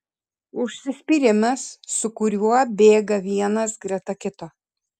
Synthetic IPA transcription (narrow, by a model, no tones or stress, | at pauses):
ʊʃʲsʲɪsʲpʲiːɾʲɪmʲɛsːʊkʊɾʲuɔbʲeːɡɐʋʲiɛnɐsɡɾʲɛt̪ɐkʲɪt̪oː